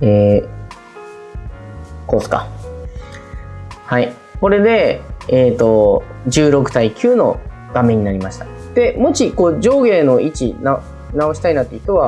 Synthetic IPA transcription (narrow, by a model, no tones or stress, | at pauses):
eː | ko̞ːsɨ̥ka̰ | hai | ko̞ɾe̞d̪e̞eːt̪o̞d͡ʑɨːɾo̞kɯ̟̥t̪aikʲʰɨːno̞ | ɡ̥amẽ̞ɲ̟ːinaɾʲimaɕi̥t̪ḁ | d̪̥e̞mo̞t͡ɕiko̞ːd͡ʑo̞ːɡe̞ːno̞it͡ɕina | nao̞ɕi̥t̪ainat̪ːeit̪oβa